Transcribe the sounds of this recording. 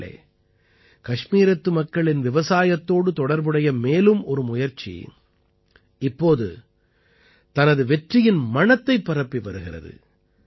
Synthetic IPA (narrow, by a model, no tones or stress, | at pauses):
ḛː | kɐʂmiːɾɐt̪ːɯmɐkːɐɭɪnʋɪʋɐsaːjɐt̪ːoːɽɯt̪ɔɽɐɾbɯɽɐjɐmeːlɯmɔɾɯmʊjɐɾt͡ʃḭ | ɪpːoːðɯ̰ | t̪ɐnɐðɯʋɛʈrɪjɪnmɐɳɐt̪ːɐɪpːɐɾɐpːiʋɐɾɯɣɪrɐ̰ðɯ̰